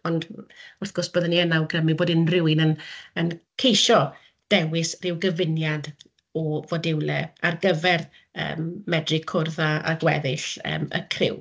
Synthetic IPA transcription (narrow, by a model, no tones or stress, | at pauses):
ɔndʊrθɡ̥ɔsb̥əːðaniɛnawɡrəmɨboːdɪnrɪwɨnənənkʰejʃɔ | d̥ɛwɪsrɪwɡəvɪnjad | ɔvɔdɪwlɛarɡəvɛr | ə̰ːmːɛdrɨkʰʊrðaa̰ɡwɛðɪɬə̰ːmə̰kʰrɪ̰w